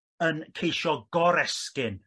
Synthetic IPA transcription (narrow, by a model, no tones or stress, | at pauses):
ənkʰejʃɔɡɔɾɛskɪn